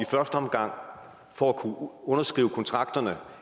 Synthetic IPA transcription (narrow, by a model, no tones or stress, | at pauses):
ifɶɐsd̥əɒ̽mɡ̥ɑ̈ŋ̰ | fɒækʰuɔ̽nɐsɡ̥ʁḭːʊəkʰɒ̽nt͡sʰʁɑ̈ɡ̥d̥ɐnə